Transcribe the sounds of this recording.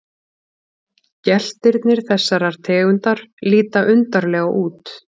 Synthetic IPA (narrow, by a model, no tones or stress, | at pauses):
cɛl̥t̪ɪɾt̪nɪɾ̥θɛsːaɾaɾ̥t̪ʰɛːɣʏnt̪aɾ̥liːt̪aʔʏnt̪aɾlɛːɣaʔuːt̪